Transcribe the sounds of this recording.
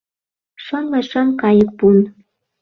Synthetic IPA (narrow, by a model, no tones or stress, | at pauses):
ʃɑnlɑʃɑmkɑjək̚pun